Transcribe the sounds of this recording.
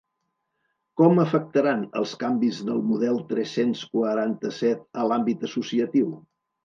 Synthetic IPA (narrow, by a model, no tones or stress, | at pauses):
kɔməfək̚t̪əɾanə̰lˠskambizðəlˠmuð̞ɛlˠt̪ɾɛsenskwəɾant̪əsɛt̪̚əlambit̪əsusiət̪iw